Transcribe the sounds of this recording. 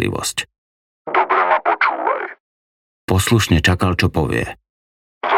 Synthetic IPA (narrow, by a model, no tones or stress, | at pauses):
lḭʋɔ̰sc | d̪ɔbɾɛmapɔt͡ʃuːʋa̰j | pɔsluʃɲɛt͡ʃakalt͡ʃɔpɔʋɪɛ̰ | z